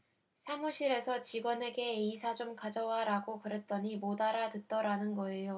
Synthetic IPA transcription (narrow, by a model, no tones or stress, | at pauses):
sʰemuɕʰiɾe̞sʰʌt͡ɕiɡwʌne̞ɡe̞ːisʰad͡ʑomkad͡ʑʌwaɾaɡokɯɾe̞t̚t͈ʌɲimodaɾatɯt̚t͈ʌɾanɯnɡʌe̞jo